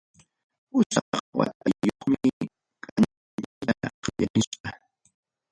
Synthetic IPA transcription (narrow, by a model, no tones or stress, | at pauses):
ʊsɑqwa̰t̪̚ajjoχmɪ | kʼan | ʎaqjanɪʃqɑ